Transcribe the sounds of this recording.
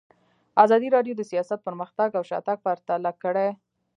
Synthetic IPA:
azɑd̪iɾɑɖjod̪əsijɑsat̪̚pəɾməxt̪aɡawʃɑ̰t̪aɡ̚paɾt̪alakəɽe

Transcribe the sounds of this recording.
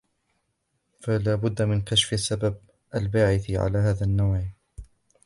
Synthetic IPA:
falaːbʊd̪ːamɪnkaʃfʔasːabab̚ | ʔalbaːʕɪθʕa̰laːhaːðanːawʕ

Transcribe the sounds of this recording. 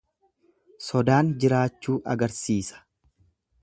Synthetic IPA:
sɔd̪aːnd͡ʒɪɾaːt͡ʃːuːʔɐɡɐɾsiːsɐ̥

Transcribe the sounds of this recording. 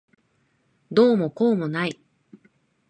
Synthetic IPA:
d̪oːmo̞ko̞ːmo̞nai

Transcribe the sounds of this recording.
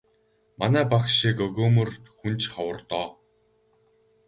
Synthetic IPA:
manæːpakʃikɵɣoːmɵ̆rt̪xunt͡ɕχawə̆rt̪ɔː

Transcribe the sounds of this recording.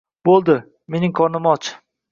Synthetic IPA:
bolˠd̪ɪ | me̞nɪŋkʰɒnɪmɒt͡ʃʰ

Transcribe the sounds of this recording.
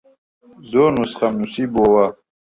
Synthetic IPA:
zoːnusχamnusiboːwa

